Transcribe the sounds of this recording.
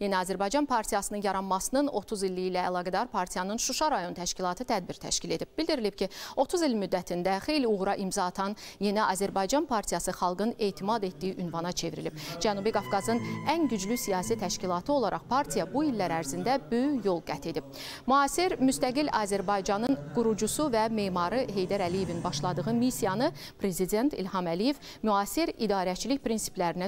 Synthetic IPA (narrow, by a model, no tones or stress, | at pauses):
je̞næɑːzæɾbɑjd͡ʒɑnpʰɑɾt̪ʰijɑsɯnɯnjɑɾɑnmɑsɯnɯno̞t̪ʰuzilːiilæːlˠɑːɡæd̪ɑɾpʰɑɾt̪ʰijɑnɯnʃuʃɑɾɑjo̞nt̪ʰæʃcilˠɑt̪ʰɯt̪ʰæd̪̚biɾt̪ʰæ̰ʃcile̞d̪ib̚b̥ild̪iɾilib̚cio̞t̪ʰuzilmyd̪ːæt̪ʰind̪æχe̞jliuɣɾɑʔimzɑːt̪ʰɑnje̞næʔɑːzæɾbɑjd͡ʒɑnpʰɑɾt̪ʰijɑsɯχɑlˠɡɯne̞ːt̪ʰimɑd̪e̞t̪d̪ijiʔynvɑnɑt͡ʃʰe̞viɾḭlib̥̚d͡ʒænubiɡɑfɡɑzɯnænɟyd͡ʒlysijɑːsit̪ʰæʃcilˠɑt̪ʰɯo̞lˠɑɾʔɑ̰χpʰɑɾt̪ʰijɑbuilːæɾæɾzind̪æbø̞jyçjo̞lˠɡæt̪ʰe̞d̪ib | myɑːsiɾmyst̪æɡilɑːzæɾbɑjd͡ʒɑnɯnɡ̥uɾud͡ʒusuvæme̞ːmɑɾɯɦe̞jd̪æɾælije̞vinbɑʃlˠɑd̪ɯʁɯmisijɑnɯ | pʰɾe̞zid̪e̞nt̪ʰḭlhɑmælije̞v | myɑːsiɾid̪ɑːɾæt͡ʃʰiliçpʰɾinsi̥plæɾinæ